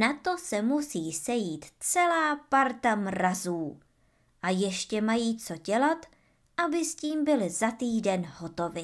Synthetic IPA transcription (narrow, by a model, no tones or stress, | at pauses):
nat̪o̞sɛmusiːsɛjiːt̪t͡sɛlaːpaɾt̪amɾazuː | ʔajɛʃcɛmajiːt͡so̞ɟɛlat̪ | ʔabɪsciːmbɪlɪzat̪iːdɛnhot̪o̞vɪ